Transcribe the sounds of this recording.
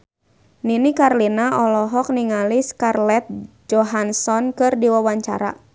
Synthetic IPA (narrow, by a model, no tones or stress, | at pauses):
ninikarlinaɔlɔɦɔk̚niŋaliskarlɛt̪̚ | d͡ʒɔɦansɔnkɨrdiwawaɲt͡ʃa̰ɾa̰